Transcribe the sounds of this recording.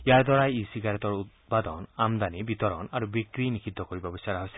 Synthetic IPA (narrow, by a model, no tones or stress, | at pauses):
jaɹd̪ɔɾajisiɡaɾɔt̪ɔɹut̪ | pad̪ɔnamd̪anibit̪ɔɾɔnaɾubikɾinikʰid̪ʱːɔkoɹibɔbɔsaɾaɦose̥